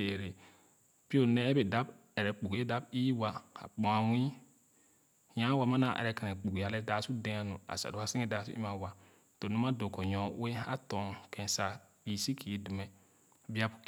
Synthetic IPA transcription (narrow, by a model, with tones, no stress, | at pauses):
e˨ɾe˨ | pi˦o˨nɛ˦bɛ˨da˦b | ɛ˨ɾɛ˨k͡pu˨ɡda˦b̚iː˦wa˨a̰˨k͡pɔ̃˨a˨wĩ˦ | ɲã˦wa˨ma˦na˨ʔɛ̰˨ɾɛ˨ka˨nɛ˨k͡pu˨ɡja˦lɛ˦daː˦su˦dɛ̃˦a˨nṵ̃˨a̰˨sa̰˨du˨˦a˦sɪ˦ɛ˨da˨sṵ˦ʔḭ˦ma˨wa˨ | to˨nũ˦ma˦dʊ˨kɔ˨ɲɔ˨˦we˦a˦tɔ˨ŋkʰɛ̃˨nsa˨k͡piː˨si˦kʰi˨˦du˨mɛ˨ | bi˦a˦bʊ̥˨˦